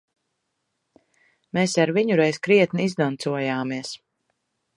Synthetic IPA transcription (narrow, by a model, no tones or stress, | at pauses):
meːsaɾviɲuɾɛjzkɾiɛt̪niizd̪ant̪suɔjaːmiɛs